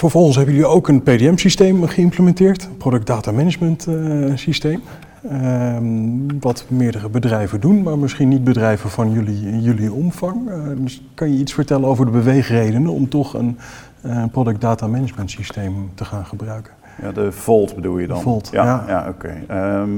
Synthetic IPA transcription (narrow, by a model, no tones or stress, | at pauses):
fəɹvɔlˠχənsɦɛbəjəliiowkənpejdeɛmsistejmχəɪmpləmɛntɪːɹtprodɵk̚daːtaːmɛnəd͡ʒməntsistejm | ʋɑtmɪːɹdərəbədrɛjvədunmaːɹmɪsχinːit̚bədrɛjvənvɑnjɵlijɵliɔmv̥ɑŋdɵs | kɑnjəitsfəɹtɛlənowvəɹdəbəʋejχrejdənənɔ̰mtɔχə̰n | prodɵk̚daːtamɛnəməntsistejmtəχaːnχəbrœɥkən | ja̰dəvɔlˠtbədṵlˠjəd̰vɔlˠtjaja̰o̰kḛ